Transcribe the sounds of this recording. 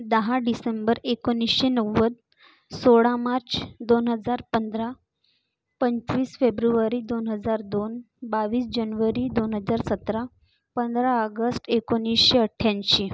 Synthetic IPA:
d̪əɦaɖisembəɾekonːisɕenəʋːəd̪ | soɽamaɾt͡ɕd̪onɦəd͡zaɾpənd̪ɾa | pəɲt͡ɕʋiːsfebɾuʋəɾiːd̪onɦəd͡zaɾd̪on | baʋiːsd͡ʑənʋəɾid̪onɦəd͡zaɾsət̪ɾa | pənd̪ɾaəɡəsʈekonːisɕeəʈʰːjanɕi

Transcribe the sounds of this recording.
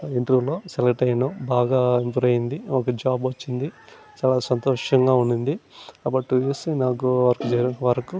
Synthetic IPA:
iɳʈ̪ɾuːlo̞ːselɐkʈɐjnoːbaːɡaːimpuɾɐjind̪iɔkɐd͡ʒaːbʋɐt͡ʃːind̪i | t͡ʃaːlaːsɐnt̪ɔːʂɐŋɡaːuɳɖund̪iɐbɐʈːuesinaːk̬uʋɐɾɐkut͡ʃeːɾuʋɐɾɐku

